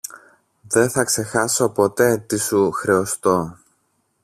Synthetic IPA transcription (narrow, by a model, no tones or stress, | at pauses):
ðe̞θɐkse̞xɐso̞po̞t̪e̞t̪isuxɾe̞ost̪o̞